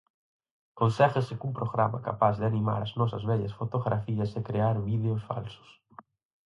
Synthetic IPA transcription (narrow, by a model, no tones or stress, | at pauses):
konsɛɣɪsɪkumpɾoɣɾa̰mɐka̰pazðɪanima̰ɾɐznɔsɐzβɛʎɐsfot̪oɣɾʔafiɐsekɾeaɾβiðeʊsfa̰lsʊ̥s